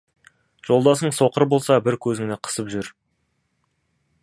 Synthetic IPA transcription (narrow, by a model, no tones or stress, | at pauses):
ʒ̥o̞lˠd̪ɑsəɴso̞qəɾbo̞lˠsɑbɪɾkʲʰɵzɪŋneqʰə̥səpʒʏɾ